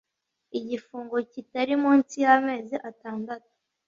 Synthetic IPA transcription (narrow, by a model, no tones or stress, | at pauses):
iɟifuːŋɡo̞citaɾimuːnsijame̞ːziʔataːndatu̥